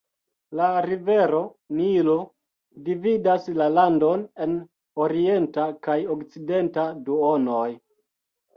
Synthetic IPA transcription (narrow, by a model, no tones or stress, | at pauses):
laɾive̞ɾo̞ | nilo | dividaslalando̞ne̞n | oɾie̞ntakajokt͡side̞ntaduono̞j